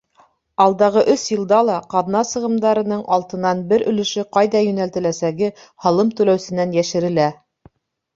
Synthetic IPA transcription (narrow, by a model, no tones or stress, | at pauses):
ɑlˠd̪ɑʁɤʔɵsjɤ̆lˠd̪ɑlˠɑqɑðnɑsɤ̆ʁɤ̆md̪ɑɾɤ̆nɤɴʔɑlˠt̪ɤ̆nɑnbɘɾɵ̆lɘ̆ʃɘqɑjðɑjɵ̆nælt̪ɘ̆læsæɡɘ | hɑlˠɤmt̪ɵ̆læwsɘ̆nænjæʃɘ̆ɾɘ̆læ